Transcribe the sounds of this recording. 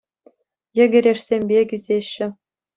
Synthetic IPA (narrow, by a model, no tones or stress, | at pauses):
jɘ̆ɡʲɘ̆ɾʲeʂsʲemʲbʲekʲyzʲeɕːɘ̆